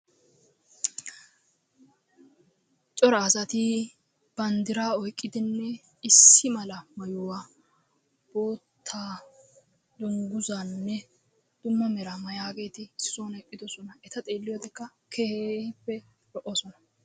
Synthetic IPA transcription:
t͡ʃʼɔɾɐːsɐt̪i | b̥ɐnd̪ɪɾaːɔjkʼːɪd̪ɪnːɛ | ɪsːɪmɐlɐmɐjʊwaː | b̥o̞ːt̪ʰːaː | d̪ʊŋɡʊzaːnːɛ | d̪̥ʊmːɐmɛɾamɐjaːɡe̞ːt̪ɪsːoːnɛpʼːɪd̪ɔsɔnɐɛt̪ɐt̪ʼe̞ːlːɪjoːd̪ɛkːɐkʰɛhepːɛ | lɔʔoːsɔnɐ

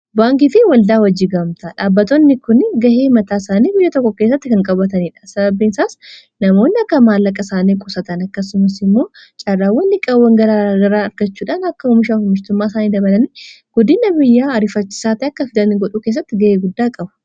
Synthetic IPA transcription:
baːŋkifɪwɐld̪aːwɐd͡ʒːɪɡɐmt̪ɐᶑaːbːɐt̪ɔnːɪkʊnɡɐheːmɐt̪aːsaːniːbɪjːɐt̪ɔkːɔke̞ːs̬ːɐt̪ːɪkɐŋkʼɐbɐt̪ɐniːᶑɐ̥sɐbɐbːinsaːs | nɐmo̞ːnːɪɐkːɐmaːlːɐkʼɐsaːniːkʼʊsɐt̪ɐnɐkːɐsʊmɐsɪmːo̞ː | t͡ʃʼɐrːaːwːɐnːɪkʼɐwːɐŋɡɐɾaɡɐɾaːɐɾɡɐt͡ʃːuːᶑaːnɐkːɐʊmɪʃaːfʊmɪʃt̪ʊmːaːsaːniːd̪ɐbɐlɐni | ɡ̥ɔd̪ɪnɐbɪjːaːɐɾɪfɐt͡ʃːɪ̥saːt̪ɪɐkːɐfɪd̪ɐnːɪɡɔᶑuːkeːs̬ːɐt̪ːɪɡɐʔeːɡʊd̪ːaːkʼɐbʊ̥

